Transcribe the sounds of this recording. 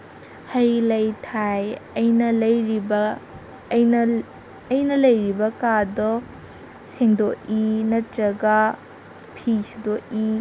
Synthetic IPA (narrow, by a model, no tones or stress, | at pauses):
hɐjlɐjtʰajɐjnɐlɐjɾibɐ | j | ɐjnɐlɐjɾibɐkadɔ | seŋdɔʔinɐtɾɐɡa | pʰisidɔʔi